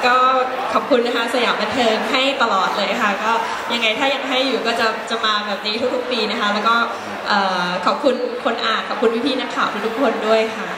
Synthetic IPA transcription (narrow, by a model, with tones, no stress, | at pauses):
kɔː˥˩ | kʰɔ˨˩p̚kʰu˧nːa˦˥kʰa˦˥sa˧jaː˩˦mba˧nt̪ʰɤː˧ŋɦa˥˩jt̪a˧lɔː˨˩t̪̚lɤː˧jkʰa˥˩kɔː˥˩ | ja˧ŋːa˧jt̪ʰaː˥˩ja˧ŋɦa˥˩jːuː˨˩kɔː˥˩t͡ɕa˨˩t͡ɕa˨˩maː˧bɛː˨˩p̚niː˦˥t̪ʰu˦˥k̚t̪u˦˥k̚piː˧na˦˥kʰa˦˥lɛ˦˥wkɔː˥˩ | ʔɤː˨˩kʰɔ˨˩p̚kʰu˧nkʰo˧nʔaː˨˩nkʰɔ˨˩p̚kʰu˧nwʰi˦˥pʰiː˥˩na˦˥t̪ʰaː˨˩pt̪ʰaː˦˥t̪u˥kʰo˧ndu˥˩əjkʰa˥˩